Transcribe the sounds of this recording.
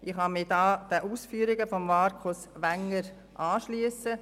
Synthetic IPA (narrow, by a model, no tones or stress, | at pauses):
ʔɪχhɑmɪdɑːd̥ɛʔuːsfyːɾɪɡəfɔmmɑɾkʰosʋæŋːəɾ | ʔɑːʃlyəsə